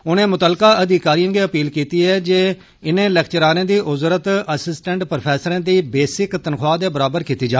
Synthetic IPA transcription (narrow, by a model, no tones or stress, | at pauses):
ʊnẽːmʊt̪əlkaːʔəd̪ikaːɾiːə̃ːɡeːəpiːlkiːt̪iːɛːd͡ʒeː | ɪnẽːlɛːkʰt͡ʃəɾaːɾẽːd̪iːʔʊzɾət̪əsɪsʈɛ̃ɳʈpɾpʰɛːsəɾãːd̪iːbeːsɪkt̪ənkʰwaːd̪eːbəɾaːbəɾkiːt̪iːd͡ʒaː